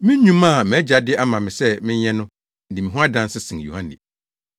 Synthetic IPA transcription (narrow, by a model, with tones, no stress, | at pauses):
mɪ̃˦ɲũ˦mã˦˨mɪ̃˨ɛ˦d͡ʑa˨dɪ˦ʔa˦mã˨mɪ̃˨sɛ˦mɪ̃˦ɲɛ˦nʊ̃˦ | n̩˨dɪ˨mɪ̃˨ɦʊ̃˦a˦dã˦n˦sɪ˦sɪ̃˨ŋ˨jṵ˨hã˦nɪ̰̃˨